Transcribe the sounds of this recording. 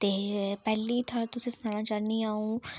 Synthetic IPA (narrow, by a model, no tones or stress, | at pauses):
t̪eːpɛːlit̪ʰəɾt̪ʊsĩːsʊnaːɽãːt͡ʃəɾnĩːaːũː